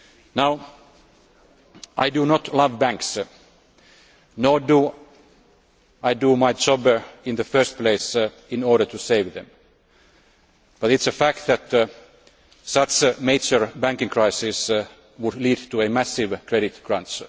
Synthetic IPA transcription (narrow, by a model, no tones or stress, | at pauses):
naʊ | ʔaɪdunɔt̪ʰlʌvbæ̃ŋks | noɹdu | aɪdumaɪd͡ʒɔbəɪ̃nðəfɜ˞st̪̚pʰleɪs | ɪ̃nɔːɹɾətʰuseɪvðɛ̰̃m | b̥ʌtɪtsəfæk̚t̪ðæt̪ | sʌt͡ʃmeɪd͡ʒəɹbæ̃ŋkɪ̃ŋkʰɹaɪsɪs | wʊdliːdt̪ʰuəmæsɪʋkʰɹɛɾɪt̪ɡ̥ɹãnt͡ʃ